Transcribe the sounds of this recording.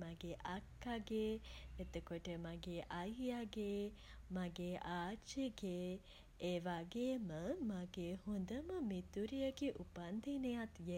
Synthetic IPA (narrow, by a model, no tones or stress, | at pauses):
maɡeʔakːaɡeːet̪əkoʈəmaɡeːʔajjaɡeːmaɡeːʔaːt͡ʃeɡe | eʋaɡeməmaɡehund̪əməmit̪uɾijəɡeʔupand̪ʱinejat̪je